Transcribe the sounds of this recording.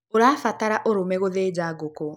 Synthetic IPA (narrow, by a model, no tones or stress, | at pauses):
oɾaːfataɾaʔoɾomɛɣoðeːd͡ʑaɡoko